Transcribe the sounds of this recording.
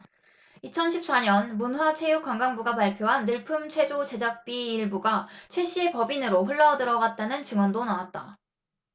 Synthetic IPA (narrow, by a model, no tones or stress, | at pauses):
it͡ɕʰʌnɕʰip̚s͈aɲʌnmunɸwat͡ɕʰe̞juk͈waŋɡaŋbuɡapaɭpʰjoɦanːɯɭpʰɯmt͡ɕʰwe̞d͡ʑot͡ɕe̞d͡ʑak̚p͈iːɭbuɡat͡ɕʰwe̞ɕ͈ʰiepʌbinɯɾoɸuɭːʌdɯɾʌɡat̚t͈anɯnt͡ɕɯŋwʌndonawat̚t͈a